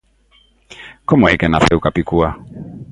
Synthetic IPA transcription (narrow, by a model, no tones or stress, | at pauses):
kɔmɔikɛnaθɛukapikua